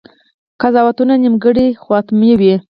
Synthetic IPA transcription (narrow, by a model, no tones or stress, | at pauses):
kazɑwat̪unanimɡəɽixwɑt̪miwi